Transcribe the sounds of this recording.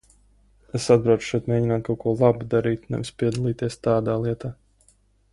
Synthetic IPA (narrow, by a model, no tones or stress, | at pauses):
esad̪̚bɾawt͡ʃʃɛt̪meːɟinaːt̪̚kawkuɔlˠabud̪aɾiːt̪unɛ̰vispʲiɛd̪alˠiːt̪iɛst̪aːd̪aːlˠiɛt̪aː